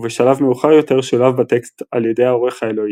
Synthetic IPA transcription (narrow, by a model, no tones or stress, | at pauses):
veʃalavme̞uχaʁjo̞t̪e̞ʁʃolavbat̪eksta̰ljede̞jao̞ʁeχaelo̞i